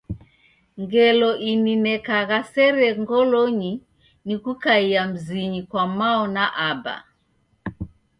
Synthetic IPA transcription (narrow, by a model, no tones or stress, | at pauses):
ŋɡɛlɔʔininɛkaɣasɛɾɛŋɡɔlɔɲi | nikukaiam̩ziɲikwamaɔnaʔaba̰